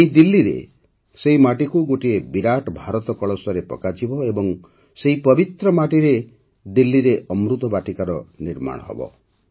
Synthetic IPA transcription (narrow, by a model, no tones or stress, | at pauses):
eid̪ilːiɾḛ | seɦimaʈikuɡoʈiebiɾaʈbʱaɾɔt̪ɔkɔɭɔsɔɾepɔ̰kad͡ʒibɔebɔŋ | seɦipɔbit̪ɾɔmaʈiɾe | d̪ilːiɾeʔɔmɾut̪ɔbaʈikaɾɔniɾma̰ɽ̃ɔ̰ɦɔ̰bɔ̰